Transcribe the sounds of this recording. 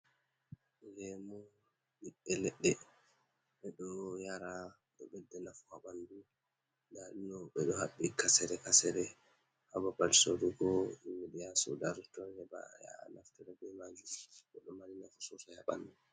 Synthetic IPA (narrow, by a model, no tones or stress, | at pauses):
ɡɛmɔ | ɗiɛlɛɗːɛ | ɓɛɗɔjaɾa | ɓɛɓɛdːɛnafuhaɓandu | dalinɔɓɛɗɔhaɓːikasɛɾɛkasɛɾɛ | hababalsoɾuɡɔimiɗijasṵdaɾtɔhɛba̰ja̰naftɛɾɛbɛmad͡ʒuɓɛɗɔmalinafusɔsahaɓa̰ndu